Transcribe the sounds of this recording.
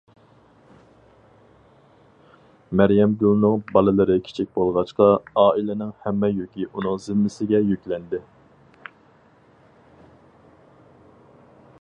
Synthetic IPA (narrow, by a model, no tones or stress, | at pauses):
mæɾjɛmɡʲylnɨŋbɑlˠɨlˠɨɾɨkʲʰi̥t͡ʃʰik̚ʲbolˠʁɑʃqɑɑːilɪnɪŋhɛmːɛjokʲiʔunɨŋzɪmːɪsɪɡʲɛjykʲlɛnd̪ɪ